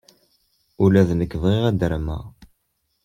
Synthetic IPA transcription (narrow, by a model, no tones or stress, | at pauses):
ulæðnəkːəðˤʁiʁæd̪əɾmæ̰